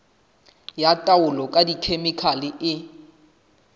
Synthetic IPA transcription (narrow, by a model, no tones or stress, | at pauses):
jatʼaʊlɔkʼadikʰemɪkʰalɪʔɪ